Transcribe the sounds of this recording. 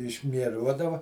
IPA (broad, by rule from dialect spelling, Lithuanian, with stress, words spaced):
ɪʃʲmʲiɛˈruɔdɐʋɐ